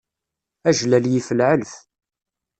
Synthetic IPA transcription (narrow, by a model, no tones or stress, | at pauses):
æʒlæljifəlʕəlf